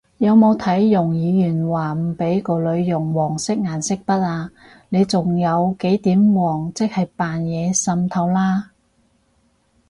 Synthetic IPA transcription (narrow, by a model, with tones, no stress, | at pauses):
jɐ˨˧wmo˨˧wt̪ʰɐ˨˥jːʊ˨˩ŋjiː˨˧jyː˨˩nwaː˨˩m̩˨˩pe˨˥jko˨˧wlɵ˨˧ɥjʊ˨˩ŋwɔː˨˩ŋsɪ˥k̚ŋaː˨˩nsɪ˥k̚pɐ˥t̚aː˧ | ne˨˧jt͡sʊ˨ŋjɐ˨˧wke˨˥jt̪iː˨˥mwɔː˨˩ŋt͡sɪ˥k̚hɐ˨jpaː˨njɛː˨˧sɐ˧mt̪ʰɐ˧wlaː˥